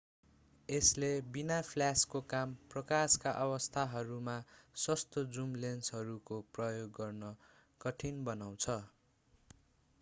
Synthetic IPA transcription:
eslebinapʰljaskokamprʌkaskaʔʌbʌst̪ʰaɦʌɾumaswʌst̪od͡zumlensɦʌɾukoprʌjoɡːʌrnʌ | kʌʈʰinbʌnaw̃t͡sʰʌ

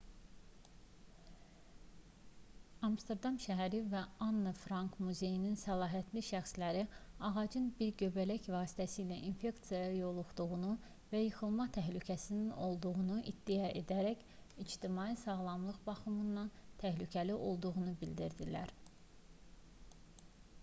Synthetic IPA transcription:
ɑmst̪eɾd̪ɑmʃæɦæɾivæɑnːɯfɾɑŋkmuze̞jininsælˠɑːɦæt̪ʰliʃæxslæɾiɑʁɑd͡ʒɯnbiɾɟø̞bælæçvɑːsi̥t̪ʰæsiːlæʔinfe̞kt̪sijɑjɑjo̞lˠuχd̪uʁunu | væjɯxɯlˠmɑt̪ʰæɦlycʰæsinino̞lˠd̪uʁunuʔid̪̥ːijɑʔe̞d̪æɾæç | id͡ʒt̪imɑːisɑɣlˠɑmlˠɯʁbɑχɯmɯnːɑnt̪ʰæhlycʰæliʔo̞lˠd̪uɣunubild̪iɾd̪ilæɾ

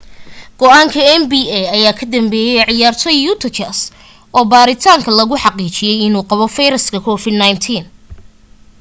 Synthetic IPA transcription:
ɡ̥ɔʔaːŋkʰɐɛnbiːɛɐjaːkʰɐd̪ɐmbɛːjɛjʕɪjaːrt̪ʰɔjuːt̪ʰɐt͡ʃɐs | ɔːbaːɾɪt̪ʰaːŋkʰɐlɐɣʊħɑqiːt͡ʃɪjɛjɪnuːqɑβɔfɛjɾɐskʰɐkʰɔːfɪd̪najnt̪ʰiːn

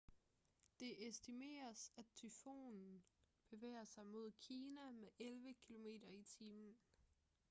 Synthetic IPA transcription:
d̥e̝ʔesd̥ime̝̰ːɐsæd̚t͡sʰyfo̝̰ːnn̩b̥e̝ʋḛːɐsɑ̈ɪmo̝ð̞̰ˠkʰiːnæmeʔelʋəkʰilo̝me̝̰ːd̥ɐit͡sʰiːmn̩

